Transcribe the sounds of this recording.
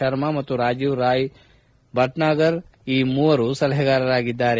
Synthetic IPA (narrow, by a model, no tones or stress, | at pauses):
ɐɾmamɐt̪ːuɾaːd͡ʒuʋɾaːj | bʱɐʈnaːɡɐɾiːmuːɐɾusɐlɦɛɡaːɾɐɾaːɡid̪ːaːɾe